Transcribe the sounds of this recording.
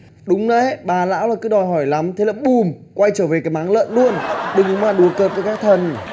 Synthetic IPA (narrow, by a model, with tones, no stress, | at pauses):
ɗʊ˨˦ŋ͡mnə̰˧˨˦ɓaː˨˩la̰ː˧˥wlaː˨˩kɨ˨˦ɗɔ˨˩jɦɔ˧˩jla˨˦mt̪ʰe˨˦laː˨˩ɓu˨˩mkwa˧jt͡ɕəː˧˩ve˨˩kaː˨˦jmaː˨˦ŋlə̰ː˧˨nlu˧ənɗɨ˨˩ŋ˨˦ŋ͡mmlaː˨˩ɗu˨˩˦əkəː˨˩p̚və˨˦jkaː˦˥k̚t̪ʰə˨˩n